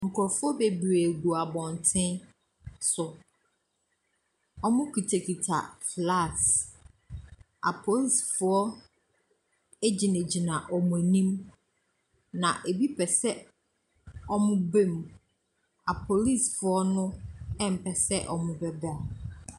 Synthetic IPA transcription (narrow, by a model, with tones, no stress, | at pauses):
ŋ̩˨kʰʊ˨ɾɔ˨fʊ˦ɔ˦be˨bɾe˨ɡu˨a˨bɔ̃˨n˨tʰɪ̃˦n | sʊ˨ | ɔ˦mʊ̃˦kʰi˨tʰæ˨kʰi˨tʰa̰˨fla˦˨s | a̰˨pʰo˨li˦˨sfʊ˨˦ɔ˦ | e˦d͡ʑi˨næ̃˨d͡ʑi˨nã˨ʔɔ˨mʊ̃˨æ˨nĩ˦m | nã˨ʔe˨bi˦pʰɛ˨sɛ˦ | ɔ˦mʊ̃˦bẽ˦˨m | a˨pʰo˨li˦˨sfʊ˦ɔ˦nʊ̃˦ɛ̃˦˨m̩˨pʰɛ˨sɛ˦ʔɔ˨mʊ̃˨bɛ˦ba˨